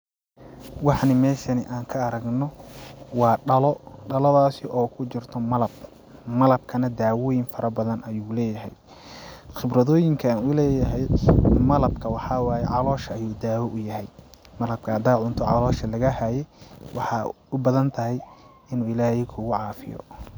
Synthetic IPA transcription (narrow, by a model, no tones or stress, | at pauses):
wɑħnɪmɛːʃɐnɪʔaːŋkʰɐɐɾɐɡnɔwɑːɖɐlɔɖɐlɔðaːsɪʔɔːkʰʊt͡ʃɪrt̪ʰɔmɐlɐb̚ | mɐlɐb̚kʰɐnɐd̪aːwɔːjɪnfɐɾɐbɐðɐnɐjuːlɛːjɐɦɛ̰j | xɪbrɐðɔːjɪŋkʰɐnʊlɛːjɐɦɛjmɐlɐbkʰɐwɑħɑːwɑːjɛʕɑlɔːʃɐːjuːd̪aːwɔʔʊjɐɦɛj | mɐlɐb̚kʰɐɐd̪aːʕʊnt̪ʰɔʕɑ̰lɔːʃɐlɐɣɐhaːjɛjwɑħɑ | ʊbɐðɐnt̪ʰɐɦɛj | ɪnuːɪlaːhɪkʰʊɣʊʕɑːfɪ̰jɔ̰